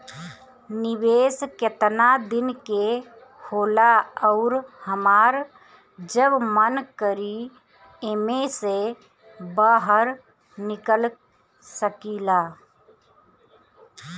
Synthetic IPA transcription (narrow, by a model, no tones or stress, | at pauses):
niʋeːsket̪nad̪ɪnke | holaɔʊɾhəmaːɾ | d͡ʒəbmənkəɾi | emese | bəɦəɾ | nɪkəl | səkilaː